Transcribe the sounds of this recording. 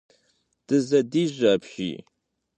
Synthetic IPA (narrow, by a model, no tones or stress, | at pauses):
d̥ɨzɐdiːʑʷɐpɕḭː